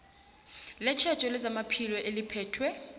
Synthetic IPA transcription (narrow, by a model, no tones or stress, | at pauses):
lɛt͡ʃʰḁt͡ʃʼɔlɛzamapʰilɔʔelipʰɛːtʰwɛ